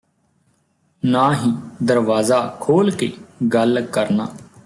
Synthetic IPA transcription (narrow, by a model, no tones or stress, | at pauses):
naːɦiːd̪əɾʋaːzaːkʰoːlkeːɡəlkəɾnaː